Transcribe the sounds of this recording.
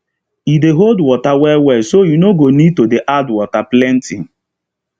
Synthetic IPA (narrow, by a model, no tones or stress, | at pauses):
ideɦoldwɔtawɛwɛsojunoɡonid̚todeʔadwɔtaplɛ̃ntĩŋ̩